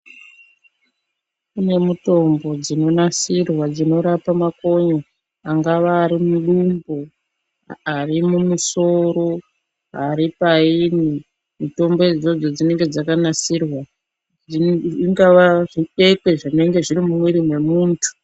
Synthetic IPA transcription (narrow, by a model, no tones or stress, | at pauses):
kune̞muto̞mbo̞d͡zino̞nasirwad͡zino̞ɾapamako̞ɲo | aŋɡaʋaːɾimuɗumbo | arimumuso̞ɾo̞ | aɾipaini | muto̞mboed͡zo̞d͡zo̞d͡zine̞ŋɡed͡zakanasirwa | iiŋɡaʋaʐike̞kwe̞ʐine̞ŋɡe̞ʐiɾimumwiɾimwe̞muːntʰu̥